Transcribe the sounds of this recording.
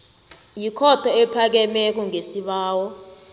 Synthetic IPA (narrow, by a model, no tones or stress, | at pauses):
jikʰɔtʰɔɛpʰak̬ɛmɛk̬uŋesiɓaːwɔ